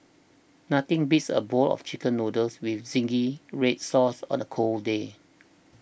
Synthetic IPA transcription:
nat̪ɪ̃ŋbitsə̰bɔlɔ̰ft͡ʃikə̃nɹodəlswifz̥ĩŋɡiɹet̚sɔsɔ̰̃nəkʰolde

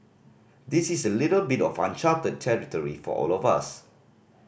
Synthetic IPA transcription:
disisəlitəlbitɔfã̰nt͡ʃatəd̚tʰɛɹitɔɹḭfɔ̰ʔɔ̰lɔva̰s

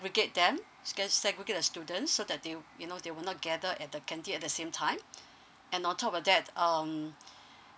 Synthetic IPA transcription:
ɛɡɹiɡet̚dɛ̃m | ɡɛsɛɡɹiɡetɛstjudə̃ntsːodɛt̚dejunodewənɔt̚ɡɛdəʔɛt̚dəkʰɛ̃ntiɛt̚dəsẽmtʰãɪ̃m | ɛ̃nɔ̃ntʰɔp̚ɔfdɛtʌm

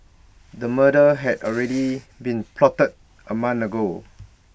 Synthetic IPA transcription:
dəmədəɦɛdɔlɹɛdi | bĩnpʰlɔtət̚ | ʔəmãnəɡo

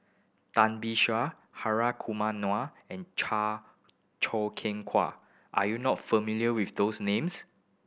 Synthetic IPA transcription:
tãnbiʃa | haɹakʰumanwa | ɛ̃nt͡ʃʰa | t͡ʃʰɔkʰɛ̃ŋkʰwa̰ | ʔajunɔtfəmiljəwifd̪osnẽms

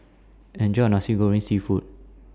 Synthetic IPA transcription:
ɛ̃nd͡ʒɔ̃nasiɡoɹĩnsifut̚

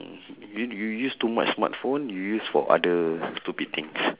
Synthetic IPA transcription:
jujujustuma̰t͡ʃsma̰tfõnjujusfɔ̰ʔa̰dəstupik̚t̪ʰĩŋs

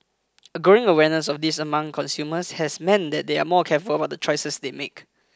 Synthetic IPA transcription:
əɡoɪ̃ŋəwɛnəsɔfdisəmãŋkʰɔ̃nsjuməshɛsmɛ̃ndɛt̚dea̰mɔkʰɛfuləbat̚dət͡ʃʰɹɔjsəsdemek

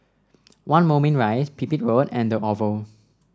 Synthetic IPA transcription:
wãnmomɛ̃nɹajspʰipit̚ɹodɛ̃ndəʔɔvə

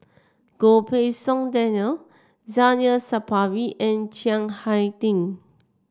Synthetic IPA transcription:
ɡ̥opʰesɔ̃ŋdɛnəl | zanəsapʰawiʔɛ̃nt͡ʃãŋhajtĩŋ

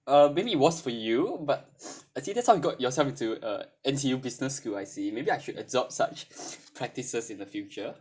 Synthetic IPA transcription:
ʌmebiːt̚wɔsfɔjubat̚aɪsidɛtshaʊjiɡɔʔjɔsɛlfĩntuʌ̰ɛ̃nsijubisnəskulaɪsimebiaɪʃudə̰dɔp̚sat͡ʃpʰɹɛk̚tisəsɪ̃ndəfjut͡ʃə

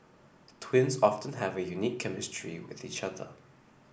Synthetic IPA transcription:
tʰw̥ɪ̃nzɑftə̃nəvəjunikʰːɛmɪstɹ̥ḭwɪ̰ðit͡ʃʌðə̰

